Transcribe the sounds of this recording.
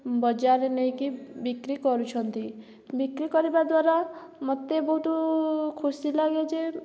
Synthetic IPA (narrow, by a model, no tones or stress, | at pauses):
bɔd͡ʒaɾenej̃kibikɾikɔɾut͡ʃʰɔnt̪i | bikɾikɔɾibad̪waɾa | mɔt̪ebɔɦut̪ukʰusilaɡed͡ʒe